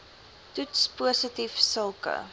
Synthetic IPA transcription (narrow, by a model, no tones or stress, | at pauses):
tutspuəsətifsəlˠkə̰